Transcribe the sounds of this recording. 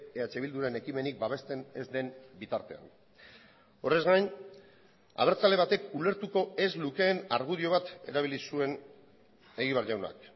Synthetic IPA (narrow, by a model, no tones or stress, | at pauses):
eat͡ʃe̞βild̪uɾaene̞kime̞nik̚baβe̞st̪e̞ne̞zd̪e̞mbit̪aɾt̪e̞̰a̰n | o̞re̞zɣajn | a̰βeɾt͡sale̞β̞at̪e̞kule̞ɾt̪uko̞e̞zluke̞ːnaɾɣuðio̞β̞at̪e̞ɾaβilisue̞n | e̞ɣiβ̞aɾʝawna̰k